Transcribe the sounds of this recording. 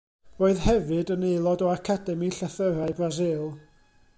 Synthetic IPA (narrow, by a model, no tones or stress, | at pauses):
roːɨðhɛvɨdənejlˠɔdɔakʰadɛmiɬaθəɾaɨbrazɪlˠ